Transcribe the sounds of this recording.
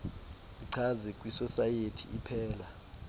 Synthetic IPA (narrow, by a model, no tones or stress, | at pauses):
iǀʰazɛkʼwisɔsajetʰiipʰɛːla